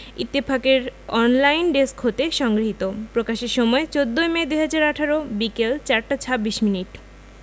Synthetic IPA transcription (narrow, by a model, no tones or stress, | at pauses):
it̪ːepʰakeɾɔnlajnɖeskɦot̪eʃɔŋɡɾiɦit̪opɾokaʃeɾʃɔmɔet͡ɕod̪ːoemed̪uɦad͡ʑaɾaʈʰaɾobikelt͡ɕaɾʈat͡ɕʰabːiʃminiʈ